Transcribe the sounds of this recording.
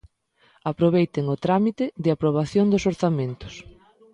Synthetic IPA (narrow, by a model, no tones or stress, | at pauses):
apɾoβejt̪ɪŋʊt̪ɾamit̪ɪðɪapɾoβ̞aθjoŋd̪ʊsoɾθamẽnt̪ʊ̥s